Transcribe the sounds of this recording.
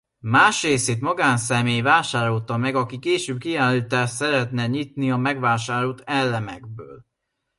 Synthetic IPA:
maːʃreːseːt̪mɒɡaːnsɛmeːjvaːʃaːɾo̞lt̪ɒmɛɡɒkikeːʃøːb̚kiaːlːit̪aːʃt̪sɛɾɛt̪nɛɲit̪niɒmɛɡʋaːʃaːɾolt̪ɛlːɛmɛ̰ɡ̚bø̰ːl

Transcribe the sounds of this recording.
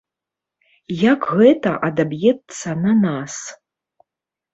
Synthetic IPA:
jakɣɛt̪ɐʔad̪abjɛt̪sːɐnanas

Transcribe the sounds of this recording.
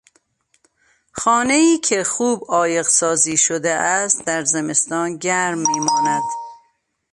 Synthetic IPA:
xɒːne̞iːcʰe̞xuːbɒːje̞ɣsɒːziːʃod̪eʔæst̪d̪æɾzeme̞st̪ɒːnɟæɾmːiːmɒːnæd̪̥

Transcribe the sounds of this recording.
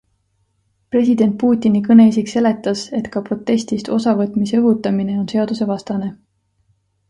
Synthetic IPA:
pre̞sid̪̥e̞nt̪̚puːt̪ʲːˑinikɤne̞is̬ikse̞le̞t̪ːˑɑse̞t̪kɑpro̞t̪ːˑe̞sʲt̪ist̪o̞sɑvɤt̪ˑmisɤɦut̪ːˑɑmine̞onse̞ɑd̪̥use̞vɑst̪ɑne̞

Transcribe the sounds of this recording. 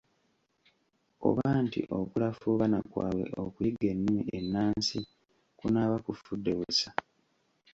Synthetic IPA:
o̞̰βaːntḭʔo̞kulafuβanakwa̰ːβwe̞̰ʔokuiɡe̞nːumienːaːnsi | kunaːβakufudːe̞βusa

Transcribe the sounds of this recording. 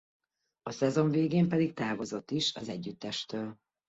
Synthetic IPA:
ɒsɛzo̞ɱveːɡeːmpɛd̪ikt̪aːvo̞zo̞t̪ːiʃɒ̰zɛɟːyt̪ːɛʃt̪øːl

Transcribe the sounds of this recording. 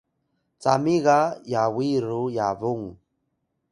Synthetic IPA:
t͡samiɣajawiɾujavuŋ

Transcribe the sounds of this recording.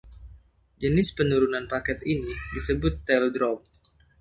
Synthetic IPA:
d͡ʒənɪspənuɾunanpakɛt̪inidisəbʊt̪ːɛldɾɔm̚

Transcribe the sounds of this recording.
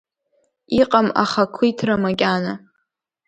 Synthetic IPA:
iqʼama̰χakʷʰːijtʰramakʲʼana

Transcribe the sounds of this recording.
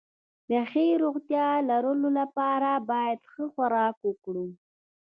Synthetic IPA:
d̪əaxiɾoɣt̪jɑlaɾəlolapɑɾabɑjad̪xəxaɾɑkwəkɽu

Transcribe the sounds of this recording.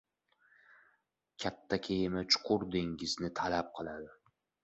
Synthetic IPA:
kʲʰat̪ʰːakʲʰejɪmat͡ʃʰʊ̥qʰʊɾd̪eŋɪznɪt̪ʰalap̚qʰɨlˠad̪ɪ

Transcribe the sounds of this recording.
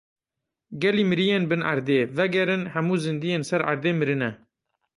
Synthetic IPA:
ɡɛliːmɨɾijeːnbɨnʔa̰ɾd̪eːvɛɡɛɾɨnhɛmuːzɨnd̪ijeːnsɛɾa̰ɾd̪eːmɨɾɨnɛ

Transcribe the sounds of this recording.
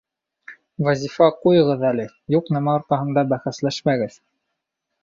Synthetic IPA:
vɑzʲifɑqujɤ̆ʁɤðælɘ | juqnæmɑoɾt̪ɑɦɤ̆nd̪ɑbæχæslæʃmæɡɘð

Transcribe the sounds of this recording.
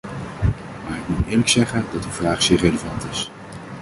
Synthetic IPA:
maːɹɪk̚mutɪːɹləksɛχəndɑtyvraːχsɪːɹrejləvɑntɪs

